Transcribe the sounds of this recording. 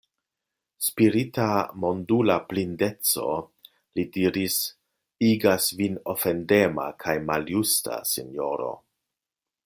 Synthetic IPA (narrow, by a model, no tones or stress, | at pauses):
spiɾitamo̞ndulaplinde̞t͡so̞̰ | lidiɾis | iɡasvino̞fe̞ndema̰kʰajmaljusta̰sino̞ɾo̞̰